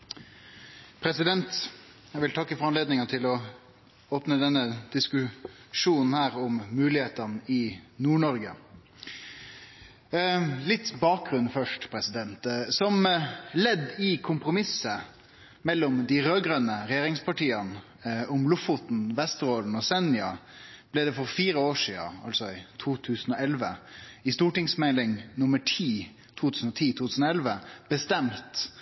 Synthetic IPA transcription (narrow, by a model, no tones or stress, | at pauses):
pʰɾɛsɪd̪ɛnt̪ | jæʋɪlt̪ʰɑkːəfɔɾɑnleːd̪nɪŋɑt̪ʰɪlɔ | oːpnəd̪ɛnːəd̪̥ɪskʉʂuːnn̩hæːɾɔmːʉːlɪheːt̪ənɪnuːɳɔɾɡə | lɪt̪ːbɑːk̚ɡɾʉnfœʂʈpʰɾɛsɪd̪ɛnt̪sɔmlɛd̪ːɪkʰʊmpɾʊmɪsːə | mɛlːɔmd̪ɪɾøːɡɾœnːəɾɛjeːɾɪŋspʰɑʈiːən | ʊmlʊfʊt̪n̩ʋɛst̪ɾoːln̩ɔsɛnjɑ̰b̥lɛd̪ɛfɔɾfiːɾəoːʂiːə̰ɑ̰lsɔɪt̪ʰuːt̪ʰʉːsn̩ɔɛlʋəɪst̪uːʈɪŋsmɛlɪŋnʊməʈʰiː | t̪ʰuːt̪ʰʉːsn̩ɔt̪ʰiːt̪ʰuːt̪ʰʉːsn̩ɔɛlʋəb̥əst̪ɛmt̪